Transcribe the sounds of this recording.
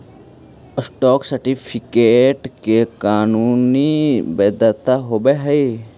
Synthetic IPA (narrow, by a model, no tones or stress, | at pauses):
ɪsʈɔːksəɾʈipʰikeːʈkekaːnuːnibeːd̪ət̪aɦoːbeɦəi